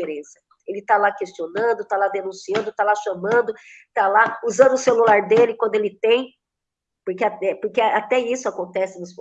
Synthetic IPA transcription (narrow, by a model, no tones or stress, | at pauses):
eɾẽsɐ | elɪt̪alakest͡ʃionɐ̃nd̪ʊt̪alad̪enũsiɐ̃nd̪ʊt̪alaʃɐmɐ̃nd̪ʊt̪alauzɐ̃nd̪ʊselulaɾd̪elɪkwɐ̃nd̪ʊelɪt̪ẽj̃ | poɾkeaɛpʊɾkeat̪ɛisʊakõnt̪ɛsɪnʊspo